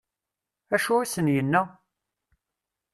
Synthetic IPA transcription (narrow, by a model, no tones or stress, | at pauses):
æʃuæsənjənːæ